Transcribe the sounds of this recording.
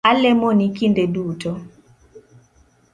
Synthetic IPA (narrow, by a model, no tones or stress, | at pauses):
alɛmonikindeduːtɔ